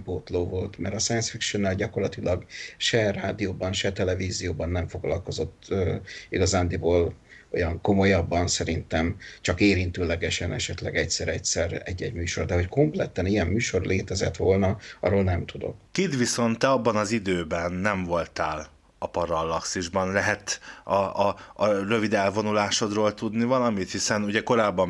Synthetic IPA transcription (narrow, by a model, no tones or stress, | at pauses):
poːt̪loːvo̞lt̪mɛɾɒsɛjɛnsfikʃonːɛːlɟɒko̞rlɒt̪ilɒɡʃɛraːd̪ijoːbɒnʃɛt̪ɛlɛviːzijoːbɒnːɛɱfo̞ɡlɒ̰lko̞zo̞t̪ːøːiɡɒzaːnd̪iboːlo̞jɒŋko̞mo̞jɒbːɒnsɛɾint̪ɛmt͡ʃɒkeːɾint̪øːlɛɡɛʃɛnʔɛʃɛt̪lɛɡɛcsɛɾɛcsɛrɛɟːɛɟmyːʃo̞rd̪ɛɦo̞cko̞mplɛt̪ɛnijɛmːyːʃo̞rleːt̪ɛzɛt̪ʋo̞lnɒɒ̰ɾoːlnɛmt̪ud̪o̞̰kkid̪ʋiso̞nt̪ːɛɒbːɒnɒzid̪øːbɛnːɛɱvo̞lt̪a̰ːl | ɒpɒɾɒlːɒksiʒbɒnlɛɦɛt̪ɒ | rø̞vid̪ɛlvo̞nulaːʃo̞d̪roːlt̪ud̪nivɒlɒmit̪hisɛnuɟɛko̞ɾaːbːɒm